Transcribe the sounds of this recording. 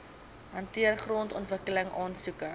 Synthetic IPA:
ɦɐntiərχrɾoːntɔ̰ntvəkələŋʔɑːnsukə

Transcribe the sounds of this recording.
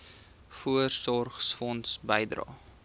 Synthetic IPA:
fuərsɔrχsfɔnsbəjdrɑ̰ː

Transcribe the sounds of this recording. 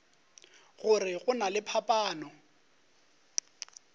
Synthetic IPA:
ɣʊrɪɣʊnalɪpʰapʼaːnɔ

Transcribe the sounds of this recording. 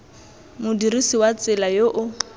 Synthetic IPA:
mʊdirisiwat͡sɪlajoʔʊ

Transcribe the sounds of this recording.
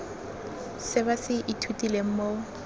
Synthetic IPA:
sɪbasɪʔitʰutilem̩moʊ

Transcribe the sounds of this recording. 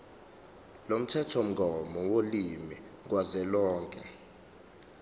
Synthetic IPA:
lom̩tʰɛtʰom̩ɡʱɔmɔwolimik̬ʼwazɛlɔːŋkʼɛ

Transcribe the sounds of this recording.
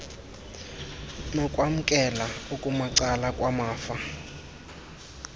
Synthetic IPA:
nɔkʼwam̩kʼɛlaokʼumaǀalakʼwamaːfa

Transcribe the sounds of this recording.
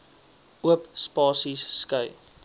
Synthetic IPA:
uəpspɑːsisːkəj

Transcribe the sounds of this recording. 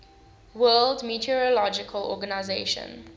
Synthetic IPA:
wɜːldmitʰəɹɔlɔd͡ʒɪkʰəlɔ̰ɡanaɪzeʃə̰̃n

